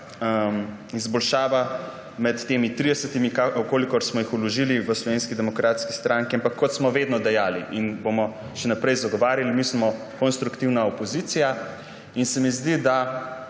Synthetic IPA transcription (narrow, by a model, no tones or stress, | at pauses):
m | izbɔlʃaːʋa | mɛt̪ːeːmit̪ɾid̪ɛsət̪imikakoːlikɔɾsmɔjixɔlɔʒiliʋəslɔʋeːnskid̪ɛmɔkɾʔaːt̪ski̥st̪ɾaŋkiampakʰːɔt̪smɔʋeːd̪nɔd̪ɛjaːliʔinbomɔ | ʃɛnapɾɛjzaɡɔʋaːɾjalimismɔ | konst̪ɾukt̪iwnaopɔziːt̪sija | insɛmizd̪id̪a